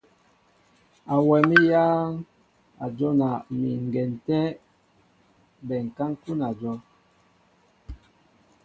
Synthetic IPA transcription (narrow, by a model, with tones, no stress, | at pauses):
a˨wɛ˨mi˦jaː˦ŋ | a˨d͡ʒɔ˦na˨mi˨ŋ˨ɡɛ˨n˨tɛ˦ | bɛ˨ŋ̩˨ka˦ŋ˦ku˦na˨d͡ʒɔ˦